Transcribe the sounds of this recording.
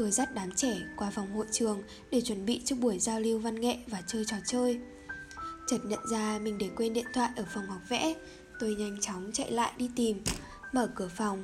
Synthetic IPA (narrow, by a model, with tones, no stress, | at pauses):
t̪o˨˧˩jza˦˥t̚ɗaː˨˦mt͡ɕɛ˧˩kwaː˧˩fa˨˩wŋ͡mɦo̰˧˨jt͡ɕɨ˨˩əŋ | ɗe˧˩t͡ɕwə˧˩nɓḭ˧˨t͡ɕɨ˦˥k̚ɓu˧˩əjzaː˧wli˧əwva˧nŋḛ˧˨vaː˨˩t͡ɕəː˧jt͡ɕɔ˨˩t͡ɕəː˧j | t͡ɕə˨˩t̚ɲə̰˧˨nzaː˧mï˨˩ŋ̟ɗe˧˩kwe˧nɗḭ˧˨ənt̪ʰwa̰ː˧˨jʔəː˧˩fa˨˩wŋ͡mha˨˩wk͡p̚vɛ̰˧˥ | t̪o˧jɲa˧jŋ̟t͡ɕa˨˦wŋ͡mt͡ɕə̰˧˨jla̰ː˧˨jɗi˧t̪i˨˩m | məː˧˩kɨ˧˩əfa˨˩wŋ͡m